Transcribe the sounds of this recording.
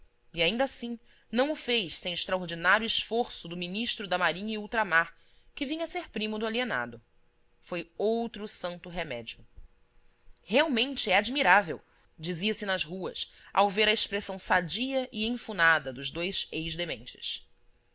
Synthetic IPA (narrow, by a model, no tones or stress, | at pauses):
iaĩnd̪asĩ | nɐ̃w̃ʊfejʃsẽj̃ɪʃt̪ɾaoɾd͡ʒinaɾjʊɪʃfoɾsʊd̪ʊminiʃt̪ɾʊd̪ɐmaɾĩɲiuwt̪ɾamaɾ | kɪvĩɲɐseɾpɾĩmʊd̪ʊaliena̰d̪ʊ | fojowt̪ɾʊsɐ̃nt̪ʊɦemɛ̰d͡ʒiʊ | heawmẽnt͡ʃɪɛad͡ʒmiɾavew | d͡ʒiziɐsɪnɐzɦuɐ̰sa̰wveɾɐɪʃpɾesɐ̃w̃sad͡ʒiɐʔɪẽj̃funad̪ɐd̪ʊzd̪ojzejʒd̪emẽnt͡ʃɪ̥s